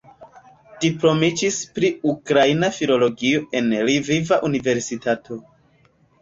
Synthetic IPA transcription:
d̥ipɾo̞mid͡ʒispɾiukɾainafilo̞lo̞ɡio̞ʔe̞nɾivivaʔunive̞ɾsitatʰo̞

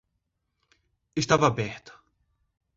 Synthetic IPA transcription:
ɪst̪ɐːvɐbɛħt̪ɐ̥

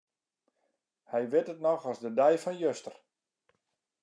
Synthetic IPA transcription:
hɛjʋɪtətnɔxɔsdədɛjfɔnjøstər

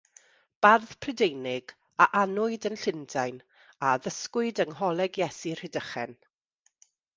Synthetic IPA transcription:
b̥arðpʰrədejnɪɡ̥ | aʔanʊɨdənɬɪndajn | aðəskwɪɨdəŋhɔlˠɛɡjɛsir̥hɪdəχɛ̰n

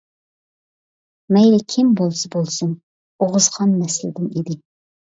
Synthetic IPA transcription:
mɛjlɪkʲʰɪmbolˠsɨbolˠsɨn | oʁɨzʁɑnmɛslɪ̰d̪ɪnid̪ɪ

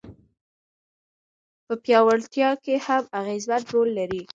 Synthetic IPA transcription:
pəpjɑwaɽt̪jɑkehamaɣezwat̪ɾolːaɾi

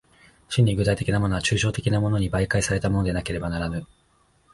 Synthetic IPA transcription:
ɕĩɲ̟ːiɡɯt̪ait̪e̞kʲinamo̞no̞at͡ɕɨːɕo̞ːt̪e̞kʲinamo̞no̞ɲ̟ibaikaisaɾe̞t̪amo̞nod̪e̞nake̞ɾe̞banaɾanɯ

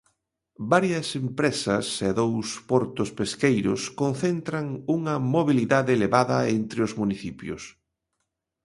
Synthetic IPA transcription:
baɾjɐsempɾesɐseðowspɔɾt̪ʊspeskejɾʊ̰skonθent̪ɾɐŋuŋɐmoβiliðaðeːleβaðɐent̪ɾɪʊzmuniθipjʊ̰s

